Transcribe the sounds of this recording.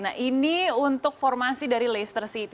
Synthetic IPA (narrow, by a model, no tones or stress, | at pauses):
naʔiniunt̪ʊk̚fɔrmasidaɾilest̪ərsit̪